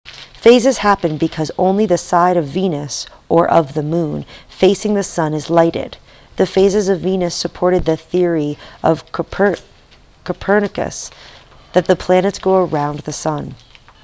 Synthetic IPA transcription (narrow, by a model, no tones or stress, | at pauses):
feɪzɨz̥hæpɨ̃nbɨkʰʌzõ̰ʊ̃nliðɨsaɪɾʌvːĩnɨsʔə˞ʔʌvðɨmũnfeɪsɪ̃ŋðɨsʌ̃nɨzlaɪɾɪ̰d̪̥̚ | ðɨfeɪzɨzʌvːĩnɨsɨpʰɔɹɾɨd̪̚ðɨθɪɹiʔʌv̥ʰ | kʰəpʰɜ˞nɨkɨ̰s | ðɨt̪̚ðɨpʰl̥ænɨtsɡ̥oʊə˞ãʊ̃nðɨsʌ̃n